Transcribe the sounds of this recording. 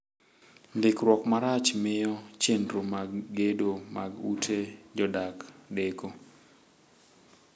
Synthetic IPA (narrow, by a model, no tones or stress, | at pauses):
ndɪkɾwɔkmaɾat͡ʃmɪjɔt͡ʃendɾomaɡːedomaɡutʰed͡ʒɔdakdeko